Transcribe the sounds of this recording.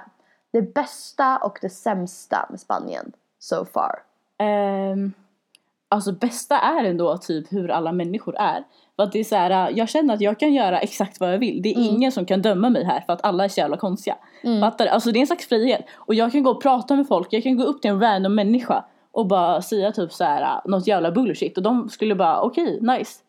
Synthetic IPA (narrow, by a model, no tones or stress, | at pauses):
d̪̥ɛbɛst̪aʔɔ̰kd̪ɛsɛmst̪a̰mɛspa̰nɪ̰ə̰n | sofɑ̰ːɾ | alsɔbɛst̪aʔæɾɛnd̪oːt̪ʰyːphɵɾa̰lːamɛnːɪɧʊɾæ̰ɾ | fɾat̪̚d̪ɛːsæːɾajɑːɡɕɛnːəɾat̪jɑːɡ̚kʰanjœːɾaʔɛksak̚t̪vajɑːɡvɪld̪ɛːɾɪŋːənsɔmkʰand̪œmːamɛjɦæ̰ːɾfœɾat̪alːaæɾʂɔjæːvlakʰɔnst̪ɪɡa̰ | fat̪ːad̪ɛʔalsɔd̪ɛnslaksfɾiːheːt̪ɔjɑːɡ̚kʰanɡoːɔpʰɾɑːt̪amɛfɔlkjɑːɡkʰanɡoːɵp̚ːt̪ʰɪlɛnɾænd̪ɔmːɛnːɪɧa̰ | ʔɔkbɑːɾasɛjːat̪ʰyːpsahæːɾa̰nɔt̪ːjæːvlabɵlːʂɪt̪ːɔd̪ɔmskɵlːəbɑːɾa̰ʔɔkʰɛjnajs